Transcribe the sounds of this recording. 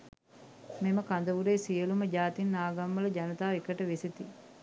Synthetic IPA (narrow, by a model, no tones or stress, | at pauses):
meməkand̪əʋuɾeːsijəluməɟaːt̪inːaːɡamːələɟanɐt̪aːekəʈəʋeset̪i